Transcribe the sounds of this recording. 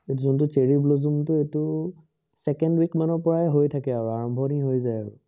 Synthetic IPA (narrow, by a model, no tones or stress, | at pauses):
etuzɔntʊteɹiblozumtʊetʊ | sɛkɛndwikmanɔɹpɔɹaɛɦojtʰakɛaɹuaɹɔmbʱɔniɦojzajaɹʊ̰